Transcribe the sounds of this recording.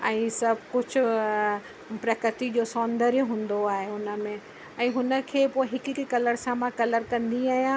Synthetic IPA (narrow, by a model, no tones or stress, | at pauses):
ɛ̃ːsɐbʱkʊd͡ʑʱʊ̆ | pɾɐkɾət̪id͡ʑoːsɔːnd̪əɾjɦũːn̆d̪oaːɦeʊnə̆mẽ | ɛ̃ːɦʊnə̆kʰeːpoːɪɦɪkɪkkɐləɾsãmãkɐləɾkɐ̃nd̪ĩaːɦijã